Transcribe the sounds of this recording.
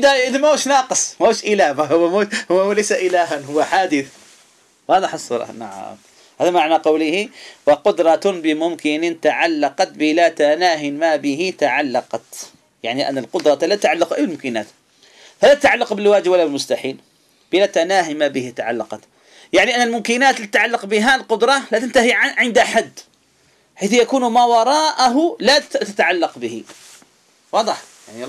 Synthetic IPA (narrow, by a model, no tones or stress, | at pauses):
ʔɪd̪aɪðamahuːʃnɑːqɨsˤmauːʃʔɪlaːbaɦʊwːamuhʊwːlejsaʔɪlaːɦanhʊwːaħaːd̪ɪθ | wɑːðˤɪħɑsˤːɑ̰ɾˤɑ̰na̰ʕa̰m | haːðamaʕnaqɑwlɪhiwɑqʊd̪ɾˤɑbɪmʊmkɪnɪt̪aʕalːɑqɑt̪̚bɪlat̪anaːɦɪmabɪɦɪt̪aʕalːɑqɑt̪ | jaʕniʔa̰nːalqʊd̪ɾˤɑtlat̪ːaʕalːʊqʔajbɪlmʊmkɪnaːt̪ | falat̪at̪ʕalːɑqbɪlwaːd͡ʒɪbwalːabɪlmʊst̪aħiːl | b̥ɪlat̪anaːɦɪmabɪhit̪aʕa̰lːɑqɑt̪ | jaʕniʔanːalmʊmkɪnaːt̪lit̪at̪ʕalːɑqbɪɦalqʊd̪ɾˤɑlat̪ant̪aɦiʕʕɪnd̪aħad̪ | ħaːθjakuːnmawɑɾˤɑːʔaɦʊlat̪at̪aʕalːɑqbɪhḭ | wɑːd̪ˤɨħ | jaʕni